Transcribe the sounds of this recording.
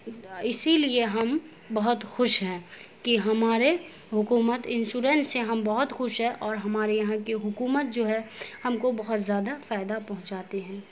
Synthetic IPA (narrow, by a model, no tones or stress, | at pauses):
ɪsilieɦɐm | bɐɦʊt̪xʊʃɦɛ̃ːkiɦɐmaːɾe | ɦʊkuːmət̪ɪ̃nsuːɾɛ̃ːnseɦɐmbɐɦʊt̪xʊʃɦɛ̃ʔɔːɾɦɐmaːɾejɐɦãkeɦʊkuːmət̪̚d͡ʒoːɦɛhɐmkobɐɦʊt̪zjaːd̪afaːɪd̪apɐɦʊ̃t͡ʃaːt̪eɦɛ̃ː